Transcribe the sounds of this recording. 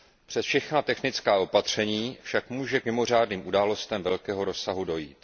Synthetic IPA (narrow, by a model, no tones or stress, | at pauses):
pr̥ɛsfʃɛxnat̪ɛxnɪt͡skaːʔo̞pat̪r̝̥ɛɲiːfʃakmuːʒɛkmɪmo̞r̝aːdniːmʔudaːlo̞st̪ɛmvɛlkɛːɦo̞ɾo̞sːaɦudo̞jiːt̪